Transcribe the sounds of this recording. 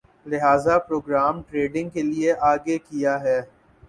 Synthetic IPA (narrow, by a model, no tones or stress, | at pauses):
lɪɦaːzapɾoːɡɾaːmʈɾeːɖɪ̃ŋɡ̚kelieʔaːɡekijaɦɛː